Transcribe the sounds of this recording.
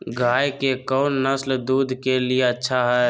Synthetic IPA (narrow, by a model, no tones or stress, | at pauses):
ɡʱaːjkekɔʊnːəsld̪uːd̪ʱkelijeətːʃʰaɦɛ